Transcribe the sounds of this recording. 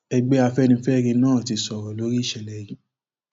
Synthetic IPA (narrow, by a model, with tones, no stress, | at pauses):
ɛ˧ɡ͡bɛ˦a˧fɛ˦nĩ˧˦fɛ˦ɾĩ˧nãː˦˨ti˧sɔ˨ɾɔ˨lo˨˦ɾi˦˨ʃɛ˨lɛ˨jĩ˨˦